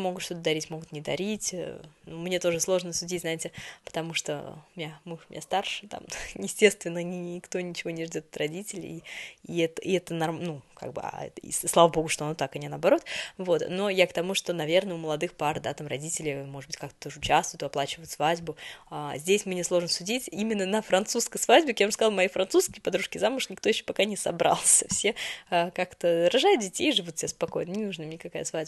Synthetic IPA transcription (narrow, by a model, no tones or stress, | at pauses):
mo̞ɡʊt̪ʂt̪o̞t̪əd̪ɐɾʲitʲmo̞ɡʊt̪nʲɪd̪ɐɾʲitʲnumnʲe̞t̪o̞ʐɨslˠo̞ʐnəsʲʊdʲitʲznaɪtʲɪpə̥t̪ɐmuʂt̪o̞̰ʊmʲnʲamuʂmʲnʲa̰st̪arʂɨt̪a̰mjɪsʲtʲe̞st̪vʲɪnːənʲɪnʲɪkt̪o̞nʲɪt͡ɕɪvo̞nʲɪʐdʲo̞t̪ɐt̪rɐdʲitʲɪlʲɪ̰iɛt̪əɛt̪ənɐrmnuka̰ɡ̚bɨ̰a̰ɛ̰t̪ḭslˠavəbo̞ɡʊʂt̪oɐnot̪akɐnʲɪnəɐbɐɾo̞t̪vo̞t̪no̞jakt̪ɐmuʂt̪o̞nɐvʲernəʊməlˠɐd̪ɨxpard̪at̪amrɐdʲitʲɪlʲɪmoʐɨd̪bɨtʲkakt̪ə̥t̪o̞ʐəɨʊt͡ɕast̪vʊjʊt̪ɪɐplˠat͡ɕɪvəjʊt̪svadʲbʊazʲdʲesʲmɨnʲɪslˠo̞ʐnəsʊdʲitʲimʲɪnːənəfɾɐnt̪suskəjsvadʲbʲɪkjaʊʐskzalˠmɐifɾɐnsuskʲɪjpɐd̪ɾuʂkʲɪjzamʊʂnʲɪkt̪o̞jɪɕːo̥pɐkanʲɪsɐ̰bɾa̰lˠsʲəfsʲeəkakt̪əɾɐʐajʊt̪̚dʲɪtʲejʐɨvut̪̚sʲɪbʲaspɐkojnənʲɪnuʐnəmnʲɪkɐkajəsvadʲb